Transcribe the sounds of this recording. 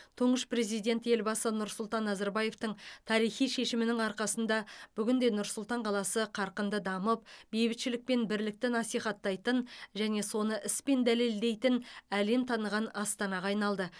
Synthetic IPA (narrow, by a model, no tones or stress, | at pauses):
t̪ʰʊɴəʃpɾe̞zijd̪ʲe̞nt̪je̞lbɑsənʊɾsʊlˠt̪ɑnːɑzɑɾbɑje̞ft̪əɴt̪ʰɑɾijχijʃe̞ʃɪmɪnɪŋɑɾqɑsənd̪ɑb̥ʏɡʲɪnd̪e̞nʊɾsʊlˠt̪ɑɴqʰɑlˠɑsəqʰɑɾqənd̪əd̪ɑməp̚be̞jbɪt̪ʃɪlɪk̚pe̞nbɪɾlɪk̚t̪ɪnɑsijχɑt̪ːɑjt̪ənʒæne̞so̞nəʔɪspe̞nd̪æle̞ld̪e̞jt̪ɪnæle̞mt̪ʰɑnəʁɑnɑst̪ɑnɑʁɑːjnɑlˠd̪ə